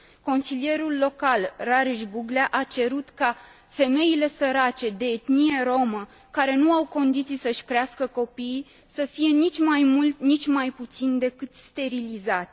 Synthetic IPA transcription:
ko̞nsilije̞ɾulːo̞kalraɾiʃbuɡleaʔat͡ʃe̞ɾut̪ka | fe̞me̞ile̞səɾat͡ʃe̞d̪e̞ːt̪nije̞ɾo̞mə | kaɾe̞nuawko̞nd̪it̪sisəʃkɾeaskəko̞pi | səfije̞nit͡ʃʲmajmult̪nit͡ʃʲmajput̪sind̪e̞kɨt̪st̪e̞ɾilizat̪ʲ

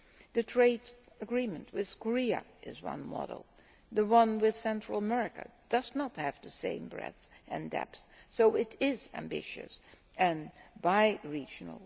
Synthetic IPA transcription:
ðɨtʰɹ̥eɪd | əɡɹĩmɨ̃nt̚wɪð̥kʰəɹiɨ̰ɪ̰zwʌ̰̃nmɑ̰ɾl̩ˠ | ðəwʌ̃nwɪð̥sɛ̃ntɹ̥əl̩ˠəmɛɹɨkɨ̰d̥ʌznət̚hɨvðɨsḛ̃ɪ̃mbɹɛ̰θ | ʔɨ̃ndɛ̰ps | soʊɪɾɪzæ̰̃mbɪ̰ʃɨ̰s | ɨ̃nbaɪɹid͡ʒn̩̰l̩ˠ

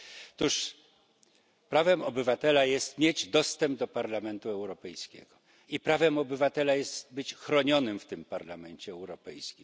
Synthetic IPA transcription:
t̪uʂ | pɾavɛmɔbɘvat̪ɛlajɛst̪mʲjed͡ʑd̪ɔst̪ɛmb̚d̪ɔpaɾlamɛnt̪uɛwɾɔpɛjskʲɛ̰ɡ̥ɔ | ipɾavɛmɔbɘvat̪ɛlajɛst̪bɘt͡ɕxɾɔɲɔnɘmft̪ɘmpaɾlamɛɲt͡ɕɛɛwɾɔpɛjskʲim

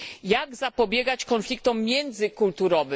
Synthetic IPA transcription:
jaɡzapɔbʲjɛɡat͡ɕkɔnflʲik̚t̪ɔmːʲjɛnd̪zɘkult̪uɾɔvɘ

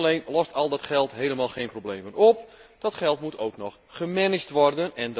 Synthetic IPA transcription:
lejnlɔstɔlˠdɔtχɛlˠtɦejləmaːlˠxeːnprowbleːmənɔp̚d̥ɔtχɛlˠtmutʰowknɔχ | χəmɪnɪd͡ʒtʋɔrdənɛn

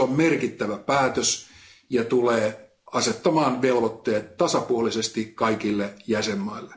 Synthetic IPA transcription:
ommerkit̪ːæʋæpæːt̪øsjɑt̪uleː | ɑset̪ːɑmɑːnʋelʋot̪ːeːt̪tɑsɑpuolisest̪ikɑikilːejæsemːɑilːe

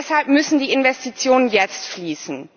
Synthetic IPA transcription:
ɛshalp̚mʏsn̩diːɪnvɛstit͡sjoːnənjɛt͡stfliːsn̩

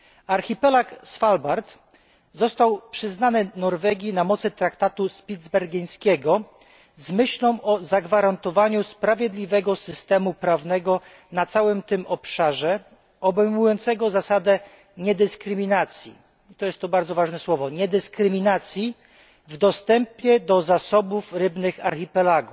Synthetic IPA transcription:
aɾxʲipɛlaksfalbaɾt̪ | zɔst̪awpʂɘznanɘnɔɾvɛɡʲinamɔt̪sɘt̪ɾakt̪at̪uspʲid̪zbɛɾɡʲij̃skʲɛɡɔ | zmɘɕlɔ̃w̃ʔɔzaɡvaɾant̪ɔvaɲuspɾavʲjɛd̪lʲivɛɡɔsɘst̪ɛmupɾavnɛɡɔ | nat̪sawɘmt̪ɘmɔpʂaʐɛ | ɔbɛjmujɔnt̪sɛɡɔzasad̪ɛ | ɲɛd̪ɘskɾɘmʲinat̪sʲjḭ | t̪ɔjɛst̪ːɔbaɾd̪zɔvaʐnɛswɔvɔɲɛd̪ɘskɾɘmʲinat̪sʲji | vd̪ɔst̪ɛmpɲjɛd̪ɔzasɔbufɾɘbnɘxa̰ɾxipɛlaɡu

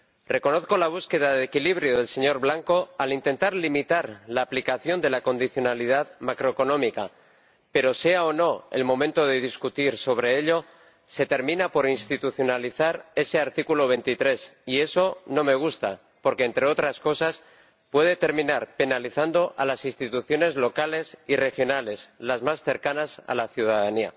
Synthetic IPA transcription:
re̞ko̞no̞θko̞laβ̞uske̞ð̞aðekiliβ̞ɾjo̞ð̞e̞lse̞ɲo̞ɾβlaŋko̞alint̪e̞nt̪aɾlimit̪aɾlaːplikaθjo̞nd̪e̞lako̞nd̪iθjo̞nalið̞aðmakɾo̞eko̞nõ̞mika | pe̞ɾo̞se̞aono̞e̞̰lmõ̞mẽnt̪o̞ð̞e̞ð̞iskut̪iɾso̞β̞ɾe̞eʎo̞ | se̞t̪e̞ɾmĩnapo̞ɾinst̪it̪uθjo̞naliθaɾe̞se̞aɾt̪ikulo̞β̞e̞nt̪it̪ɾe̞sie̞so̞no̞me̞ɣ̞ust̪a | po̞ɾke̞ːnt̪ɾe̞o̞t̪ɾasko̞sas | pwe̞ð̞e̞t̪e̞ɾmĩnaɾpe̞naliθand̪o̞ʔalasinst̪it̪uθjo̞ne̞zlo̞kale̞sire̞xjo̞nale̞slazmasθe̞ɾkanasa̰laθjuð̞aðania̰

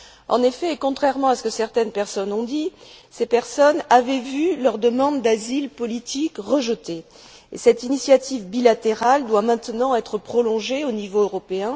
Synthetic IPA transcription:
ɑ̰̃nefɛkɔ̃t̪χɛʁmɑ̃asə̥kəsɛʁt̪ɛnpɛʁsɔnɔ̃d̪isepɛʁsɔnavɛvylœʁd̪əmɑ̃d̪d̪azilpɔlit̪ʰikʁəʒət̪e | ḛsɛt̪inisjat̪ivbilat̪eʁald̪wamɛ̃t̪ənɑ̃ɛt̪χəpχɔlɔ̃ʒeonivoøʁɔpeɛ̃

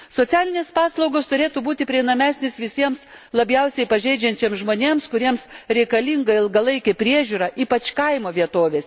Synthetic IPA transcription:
soːt̪sʲæːlʲɪnʲeːspɑːslˠɐʊɡoːst̪ʊɾʲeːt̪ubuːt̪ʲɪpʲɾʲiɛɪnɐmʲæːsʲnʲɪsʋʲɪsʲiɛms | lˠɐbʲjɛʊsʲɛɪpɐʒʲɛɪd͡ʒʲɛnʲt͡ʃʲeːmsʒmoːnʲeːmskʊɾʲiɛmsɾʲɛɪkɐlʲiŋɡɐɪlˠɡɐlˠɐɪkʲɛpʲɾʲiɛʒʲuːɾɐʔiːpɐt͡ʃkɐɪmoːʋʲiɛt̪oːʋʲeːsʲ

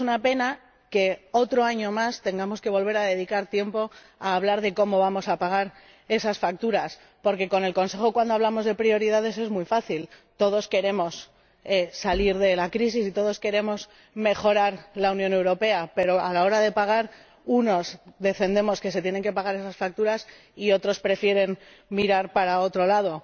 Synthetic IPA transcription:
sunape̞na | ke̞o̞t̪ɾo̞aɲo̞mast̪e̞ŋɡamo̞ske̞βo̞lβ̞e̞ɾaðe̞ðikaɾt̪je̞mpo̞ | aːβ̞laɾðe̞ko̞mo̞β̞amosapaɣ̞aɾ | e̞sasfak̚t̪uɾas | po̞ɾke̞ko̞ne̞lko̞nse̞xo̞kwand̪oaβ̞lamo̞zð̞e̞pɾio̞ɾiðað̞e̞se̞zmujfaθilt̪o̞ð̞o̞ske̞ɾe̞mo̞s | esaliɾðe̞lakɾis̬isit̪o̞ð̞o̞ske̞ɾe̞mo̞s | me̞xo̞ɾaɾlaunjone̞wɾo̞pe̞ape̞ɾo̞alao̞ɾaðe̞paɣ̞aɾ | uno̞sðe̞fe̞nd̪e̞mo̞ske̞se̞t̪jene̞ŋke̞paɣ̞aɾe̞sasfak̚t̪uɾas | io̞t̪ɾo̞spɾe̞fje̞ɾe̞n | miɾaɾpaɾao̞t̪ɾo̞lað̞o̞

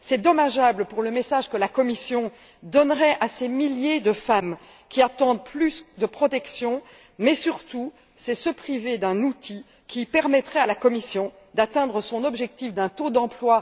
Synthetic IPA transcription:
sɛd̪ɔmaʒabləpuʁləmesaʒkəlakɔmisjɔ̃ | d̪ɔnʁɛʔasemiljed̪əfam | kʲiat̪ɑ̃d̪̚plysd̪əpχɔt̪ɛksjɔ̃ | mɛsyʁt̪u | sɛsəpχived̪ɛ̃nut̪i | kʲipɛʁmɛt̪χɛalakɔmisjɔ̃ | d̪at̪ɛ̃d̪ʁəsɔ̃nɔbʒɛk̚t̪ifd̪ɛ̃t̪od̪ɑ̃plwa

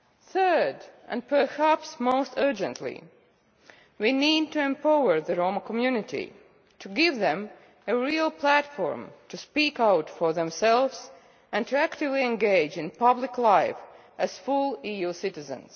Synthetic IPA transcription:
θɜ˞dʔæ̰̃npʰə˞hæpsmoʊstʰɜ˞d͡ʒə̰̃ntʰlḭ | winid̚tuɛ̃mpaʊə˞ðəɹõʊməkʰɔmjʉnɪtḭ | tʰuɡɪvðɛ̃m | ɨɹilˠpʰlætfɔ̰ɹmtʰuspikaʊtfɔɹðɛ̃msɛlˠvz̥ | æ̃ntʰɨæktɪvliɛ̃nɡeɪd͡ʒɪ̃npʌblɪklaɪf | ʔɨz̥fʊlˠijusɪtɨzə̰̃ns

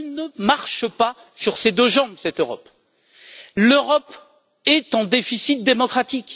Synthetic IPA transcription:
lnəmaʁʃəpa | syʁsed̪øʒɑ̃bsɛt̪øʁɔ̰p | løʁɔp | ɛt̪ɑ̃d̪efisit̪̚d̪emɔkχat̪ik

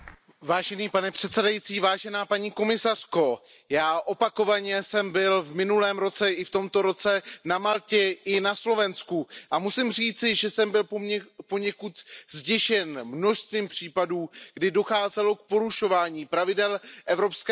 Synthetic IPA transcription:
vaːʒɛniːpanɛpr̝̥ɛt̪sɛdajit͡siːvaːʒɛnaːpaɲiːko̞mɪsar̥ko̞ | jaːʔo̞pako̞vaɲɛsɛmbɪlvmɪnulɛːmɾo̞t͡sɛʔɪft̪o̞mt̪o̞ɾo̞t͡sɛnamalcɛʔɪnaslo̞vɛnskuʔamusɪmr̝iːt͡sɪʒɛsɛmbɪlpo̞ɲɛkut̪zɟɛʃɛnmno̞ʃst̪viːmpr̝̥iːpaduːɡ̥dɪdo̞xaːzɛlo̞kpo̞ɾuʃo̞vaːɲiːpɾavɪdɛlʔɛvɾo̞pskɛ

